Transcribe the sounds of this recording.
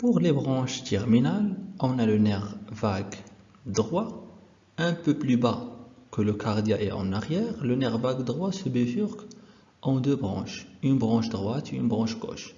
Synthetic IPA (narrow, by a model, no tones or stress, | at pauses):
puʁlebʁɑ̃ʃt̪ʰɛʁminalɔ̃nalənɛʁvaɡ | d̪ʁwa | ɛ̃pøplybakələkʰaʁd̪jaʔɛɑ̰̃naʁjɛʁlənɛʁvaɡd̪ʁwasəbefyʁk | ʔɑ̃d̪øbʁɑ̰̃ʃynbʁɑ̃ʃd̪ʁwat̪uy̰nbʁɑ̃ʃɡɔ̰ʃ